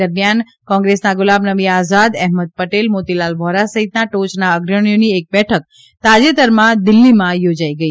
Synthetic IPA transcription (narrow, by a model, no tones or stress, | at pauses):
əɾmjan | kɔ̃ŋɡɾesnaɡʊlabnəʋiazad̪ɛɦməd̪̚pəʈelmot̪ilalbʱɔɾasəɦit̪naʈot͡ʃnaəɡɾəɽ̃ijoniek̚bɛʈʰək | t̪ad͡ʒet̪əɾmãd̪ɪlːimãjod͡ʒaiɡəi